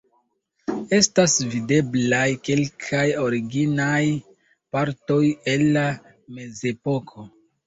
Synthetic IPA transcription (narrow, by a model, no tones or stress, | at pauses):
e̞stasvide̞blajke̞lkʰajo̞ɾiɡinaj | paɾto̞je̞nːa | me̞ze̞po̞kʰo̞